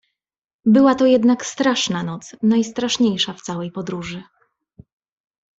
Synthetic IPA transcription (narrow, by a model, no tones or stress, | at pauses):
bɘwat̪ɔjɛd̪nakst̪ɾaʂnanɔt̪snajst̪ɾaʂɲejʂaft̪sawɛjpɔd̪ɾuʐɘ